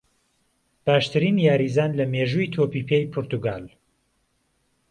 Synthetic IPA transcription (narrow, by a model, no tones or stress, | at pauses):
b̥aːʃt̪ʰɨɾiːnjaːɾiːzaːnlɐmeːʒuːit̪ʰoːpiːpʰeːjpʰʊɾt̪uɡaːl